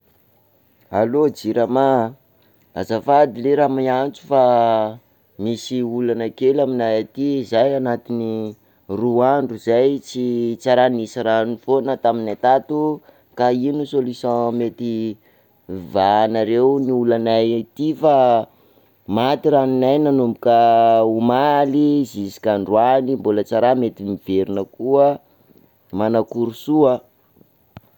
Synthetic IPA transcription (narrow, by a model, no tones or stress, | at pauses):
alod͡ziɾama | a̰zafad̪ileɾamiant͡su̥fa | misiulanəkelaminajat̪izajanat̪ini | ruaɳɖ͡ʐuzajt͡sit͡saɾanisiɾanifonat̪aminat̪at̪u | kainusolisãmet̪i | vanaɾeuniulanajt̪ifa | mat̪iɾaninajnanumbukəumalizisi̥kʲaɳɖ͡ʐwanimbulət͡saɾamet̪imiv̥eɾinəkuə | manakuɾusuə